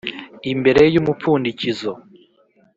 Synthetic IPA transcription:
imbe̞ɾe̞jumup͡fuːndicizo

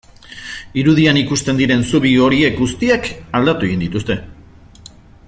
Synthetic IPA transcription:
iɾuð̞ianikust̪e̞nd̪iɾe̞nsuβio̞ɾie̞k̚ɡust̪iakald̪at̪ue̞ind̪it̪ust̪e̞

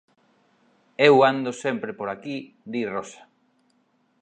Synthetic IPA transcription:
ewand̪osempɾepoɾaki | d̪irosḁ

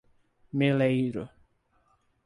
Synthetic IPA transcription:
melejɾʊ̰

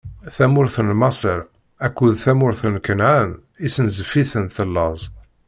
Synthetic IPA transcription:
θæmʊɾθənmɑsˤəɾ | ækʷːuðθæmʊɾθənkənʕan | isənzəfiθənθəlːɑzˤ

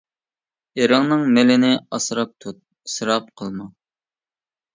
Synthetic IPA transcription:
eɾɨŋnɨŋmelɪnɪɑsɾɑp̚t̪ʰut̪̚ | sɾɑp̚qʰəlˠmɑ

